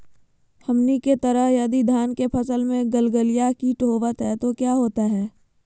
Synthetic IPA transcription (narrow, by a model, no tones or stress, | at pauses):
hɐmniket̪əɾəɦjəd̪id̪ʱaːnkepʰəsəlmẽɡəlɡəlijakiʈoːʋət̪ɦɛt̪okjaɦoːt̪aɦɛː